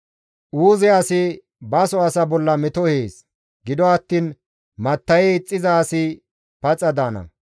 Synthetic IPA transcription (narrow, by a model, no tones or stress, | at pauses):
ʔuːzɛɐsɪ | bɐsɔɐsɐbɔlːɐmɛt̪ɔheːs | ɡɪd̪ɔɐt̪ːiːn | mɐt̪ːɐjɛt͡sʼːɪzɐːsɪ | pɐt͡sʼɐd̪aːnɐ̰